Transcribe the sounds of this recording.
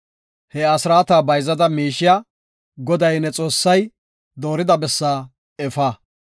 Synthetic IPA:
hɛɐsɾaːt̪aːbɐjzɐd̪ɐmiːʃɪjɐ | ɡɔd̪ɐjnɛt͡sʼo̞ːsːɐj | d̪o̞ːɾɪd̪ɐbɛsːaː | ɛfaː

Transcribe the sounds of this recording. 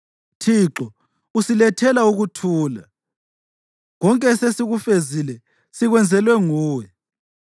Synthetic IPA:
tʰiǁɔ | usilɛtʰɛlauɣutʰuːla | ɣɔŋkʼɛsesiɣufezilɛ | siɣwɛnd͡zʱɛlwɛŋuːwɛ

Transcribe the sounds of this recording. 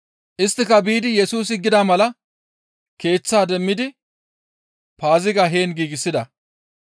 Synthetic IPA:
ʔɪst̪ːɪkɐbiːd̪ɪjɛsuːsɪɡːɪd̪aːmɐlɐ | ke̞ːt͡sːaːd̪ɛmːɪd̪ɪ | paːzɪɡɐɦe̞ːnɡiːɡɪsːɪd̪ɐ

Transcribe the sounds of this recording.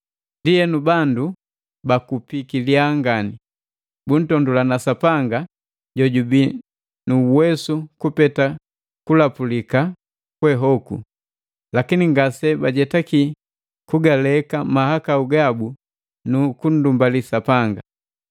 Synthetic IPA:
ndiɛnubandu | bakupikiliaŋɡani | bun̩tɔndulanasapaŋɡa | ɟɔɟubi | nuwɛsukupɛta | kulapulika | kwɛɦɔku | lakiniŋɡasɛbaɟɛtaki | kuɡalɛkamahakauɡabu | nukun̩dumbalisapaŋɡa

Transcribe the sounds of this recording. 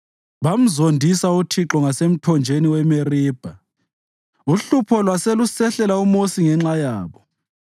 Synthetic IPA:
βam̩zondʱisautʰiǁɔŋasem̩tʰɔnd͡ʒʱeniwɛmeriːb̥ʱa | uɬupʰɔlwaselusɛɬɛlaumosiŋɛŋ͡ǁajaːβɔ

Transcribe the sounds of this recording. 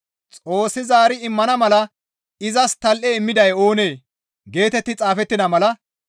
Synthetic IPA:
t͡sʼo̞ːsːɪzaːɾɪɪmːɐnɐmɐlɐ | ɪzɐst̪ɐlʔɛɪmːɪd̪ɐjo̞ːne̞ː | ɡe̞ːt̪ɛt̪ːɪt͡sʼaːfɛt̪ːɪnɐmɐlɐ

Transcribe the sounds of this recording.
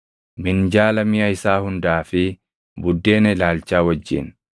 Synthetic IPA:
mɪnd͡ʒaːlɐmɪjɐɪsaːhʊnd̪aːfɪ | bʊd̪ːe̞ːnɛlaːlt͡ʃaːwɐd͡ʒːɪ̰n

